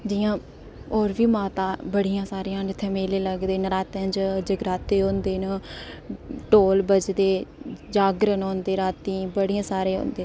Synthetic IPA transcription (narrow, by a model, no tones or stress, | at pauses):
d͡ʒiːjãː | oːɾʋiːmaːt̪ãːbəɽijãːsaːɾijãːnɪt̪ʰːeːmeːleːləɡd̪eːnɾaːt̪ẽːd͡ʒd͡ʒəɡɾaːt̪eːɦõːnd̪eːn | ʈoːlbəd͡ʒd̪eːd͡ʒaːɡɾənõːnd̪eːɾaːt̪ĩːbəɽijãːsaːɾeːɦo̰ːnd̪eː